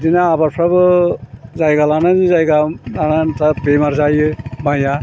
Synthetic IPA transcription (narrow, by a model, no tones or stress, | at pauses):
dinaːbaɾpʰɾabɯ | zajɡalananzajɡaanantapemaɾzajɯbaja